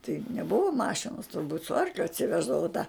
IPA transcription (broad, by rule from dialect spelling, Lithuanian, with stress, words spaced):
tɐɪ nʲɛˈbʊʋoː ˈmɑːʃʲɪnoːs tʊrˈbuːt sʊ ˈɐrklʲʊ ɐtʲsʲɪˈʋʲæːʒdɐʋoː tɑː